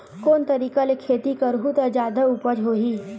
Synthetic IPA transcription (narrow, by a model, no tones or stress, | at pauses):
koːnt̪ɐɾiːkalekʰːeːt̪ikəɾɦut̪əd͡ʒaːd̪aupəd͡ʒɦoːɦiː